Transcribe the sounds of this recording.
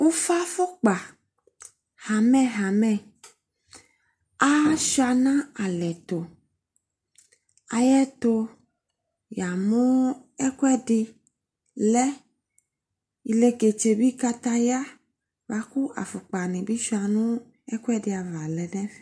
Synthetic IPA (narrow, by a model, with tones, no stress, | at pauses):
wo˦fa˦fo˦k͡pa˨ | ha˨mɛ̃˦ɦa˨mɛ̃˦˨ | a˦ʃa˨nã˦a˨lɛ˨t̪o˨ | a˨jɛ˦t̪o˦ | ja˨mũ˦ɛ˦ku˦ɛ˦ɖɪ˦ | lɛ˦ | i˨le˨ɡe˨t͡ʃe˨bi˦ka˦t̪a˦ja˦ | va˨ku˦ʔa̰˨fo˨k͡pa˨nẽ˨bi˦ʃu˦a˨nũ˦ | ɛ˦ku˦ɛ˦ɖɪ˨a˨va˨lɛ˨nɛ̃˦f